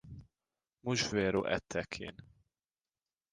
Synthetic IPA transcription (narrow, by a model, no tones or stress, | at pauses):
muʒveːɾoːʔɛ̰t̪ʰːɛkʰḛːn